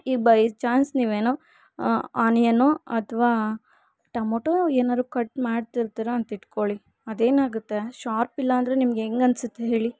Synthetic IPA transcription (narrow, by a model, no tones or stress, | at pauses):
iːbɐjt͡ʃaːnsniːʋeːnu | aːnjɐnuɐt̪ʰɐʋaː | ʈɐmoːʈoeːnaːd̪ɾukɐʈmaːɖt̪iɾt̪iːɾeɐnt̪ɐiʈkoɭi | ɐd̪e̞ːnaːɡut̪ːe̞ʃaːɾpilːɐːnd̪ɐɾenimɐɡeŋɡɐnsut̪ːeɦeːɭi